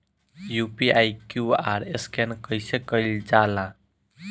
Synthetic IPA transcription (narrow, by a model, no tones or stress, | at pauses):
jupiajkjuaɾeskenkəjsekəld͡ʒalã